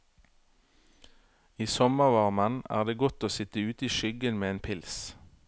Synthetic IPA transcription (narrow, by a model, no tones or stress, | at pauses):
iːsɔməʁʋɑʁmənæ̰ːʁd̪eːɡɔt̪oːsɪt̪əʉːt̪iːʃʏɡənmeːeːnpʰɪls